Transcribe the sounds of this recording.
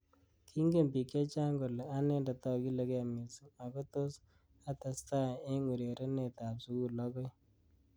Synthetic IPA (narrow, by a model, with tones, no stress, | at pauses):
kʰi˦ŋɡe˨mbi˨ke˦t͡ʃa˦ŋɡo˨la˦nɛ˦nda˨tɔ˦ki˦le˦kɛ˨mi˨su˨a˨ko˦to˦s | a˦ta˨sta˦e˦ŋɡu˨ɾe˨ɾe˦ne˨ta˨psu˦ku˦lɔ˦kɔ˦j